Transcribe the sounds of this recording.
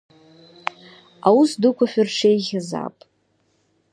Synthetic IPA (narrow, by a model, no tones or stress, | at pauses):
awusdɨkʷafʷᶣʊrʈ͡ʂʰejɣʲaza̰pʼ